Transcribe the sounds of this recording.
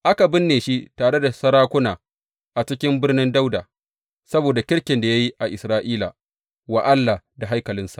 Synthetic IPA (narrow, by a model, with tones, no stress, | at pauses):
ʔa˦ka˨bɪ˦nːeː˨ʃi˦taː˨ɽe˦da˨sɐ˦ɾaː˦kʷʊ˦naː˨ | ʔa˨t͡ʃɪ˦kʲɪ˦mbɪ˦rnɪ˦nda˦wdaː˨ | sɐ˦boː˨da˨kʲɪ˦ɽkʲɪ˨nda˨ja˦ji˦ʔa˨ʔɪ˨sɾaː˦ʔiː˦la˨ | wa˨ʔa˦lːa˨da˨ɦa˦jkɐ˨lɪ˦nsḁ̰˨